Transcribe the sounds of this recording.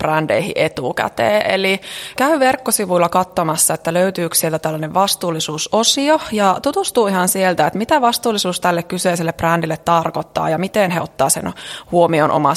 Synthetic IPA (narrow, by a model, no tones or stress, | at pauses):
prændḛihḭʔet̪ukæ̰t̪ḛːʔḛlikæyʋerkːosiʋuilːɑkɑt̪ːomɑsːɑet̪ːæløyt̪yːksielt̪æt̪ælːæneʋʋɑst̪uːlːisuːsosiojɑt̪ut̪ust̪uːihɑnsielt̪æet̪mit̪æʋɑst̪uːlisuːst̪ælːekkyseis̬elːeprændilːet̪t̪ɑrkot̪ːɑ̰ːjɑmit̪enheot̪ːɑːsḛnhuomionʔo̰mɑ